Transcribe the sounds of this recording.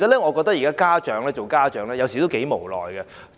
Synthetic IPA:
sɐ˨t̚lɛː˥ŋɔ˨˧kɔ˧t̪ɐ˥jiː˨˩kaː˥kaː˥t͡ʃœː˨˥ŋlɛː˥t͡ʃo˨wkaː˥t͡ʃœː˨˥ŋlɛː˥jɐ˨˧wsi˨t̪o˥ke˨˥jmo̰˨˩wlɔ̰ː˨jɡɛ˧

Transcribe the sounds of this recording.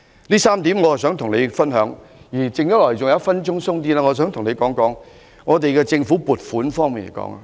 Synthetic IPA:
liː˥saː˥mt̪iː˨˥mŋɔː˨˧hsœː˨˥ŋt̪ʰʊ˨˩ŋle˨˧jfɐ˥nɦœː˨˥ŋ | jiː˨˩t͡sɪ˨ŋjɐ˥lɔː˨˩˨t͡sʊ˨ŋjɐ˨˦˥fɐ˥nt͡ʃʊ˥ŋsʊ˥ŋt̪̬iː˥laː˥ŋɔː˨˧s̬œː˨˥ŋt̪ʰʊ˨˩ŋne˨˧jkɔː˨˥ŋkɔː˨˥ŋ | ŋɔː˨˧t̪e˨jkɛː˧t͡sɪ˧ŋfuː˨˥puː˨t̚fuː˨˥nfɔː˥ŋmiː˨nḛ˨˩jkɔ̰ː˨˥ŋa̰˨˧

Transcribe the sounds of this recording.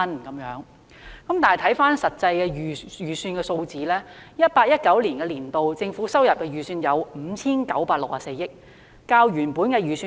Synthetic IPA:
nkɐ˨˥mjœː˨˥ŋ | kɐ˨˥mt̪aː˨˩jt̪ʰɐ˨˥jfaː˥nsɐ˨t̚t͡sɐ˧jkɛː˧yː˨jyː˨˩syː˧nkɛː˧so˧wt͡siː˨˥lɛː˥jɐ˥t̚paː˧k̚jɐ˥t̚kɐ˨˥wliː˨˩nkɛː˧liː˨˩nt̪o˨wt͡sɪ˧ŋfuː˨˥sɐ˥wjɐ˨p̚kɛː˧jyː˨syː˧njɐ˨˧wm̩˨˧t͡sʰiː˥nkɐ̰˨˥wpaː˧k̚lʊ˨k̚ʔaː˨˩se˧jɪ˥k̚ː | aː˧wjyː˨˩npuː˨˥nkɛː˧jyː˨˩syː˧

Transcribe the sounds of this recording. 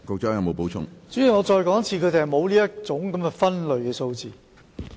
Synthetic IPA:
kɔː˨˧k̚t͡ʃɔː˥ŋjɐ˨˧wmo˨˧wpo˨˥wt͡ʃʰʊ̰˥ŋt͡syː˨˥jiː˨˩ŋɔː˨˧t͡sɔː˧jkɔː˨˥ŋt͡sʰiː˧kʰɵ˨˧t̪e˨hɐ˨jmo˨˧wliː˥jɐ˥t͡sʊ˨˥ŋkɐ˨˦mkɛ˧fɐ˥nlɵ˨˧ɥkɛː˧so˧wt͡siː˨˩

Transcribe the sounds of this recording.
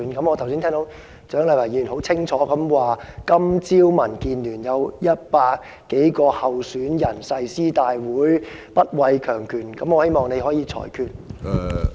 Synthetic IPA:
nkɐ˨˧˥mɔː˨˧˨wsiː˥nt̪ʰɛ˥ŋt̪o˧˥w | t͡ʃœː˨˥ŋlɐ˨˧˥wɐ˨˩ji˨˩nɦo˨˥wt͡sʰɪ˥ŋt͡ʃʰɔː˨˥kɐ˨˥mwaː˨kɐ˥mt͡siː˥wmɐ˨˩nkiː˨nlyː˨˩njɐ˨˧wjɐ˥t̚paː˧k̚ | kːe˨˥jkɔː˧hɐ˨wsyː˨˥njɐ˨˩nsɐ˧jsiː˥t̪aː˨jwuː˨˥jpɐ˥t̚wɐ˨˧jkʰœː˨˩ŋkʰyː˨˩nkɐ˨˧˥mɔː˨˧he˥jmɔː˨˩ŋne˨˧jɦɔː˨˥jiː˨˧t͡sʰɔ̰ː˨˩jkʰyː˧t̚

